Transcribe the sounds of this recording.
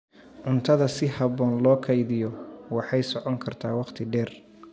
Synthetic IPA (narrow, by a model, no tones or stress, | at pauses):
ʔʊnt̪ʰɐðɐsɪhɑβɔːnlɔːkʰɐjðɪjɔwɑħɑjsɔʕɔŋkʰɐrt̪ʰa̰ːwɑqt̪ʰɪɖɛːr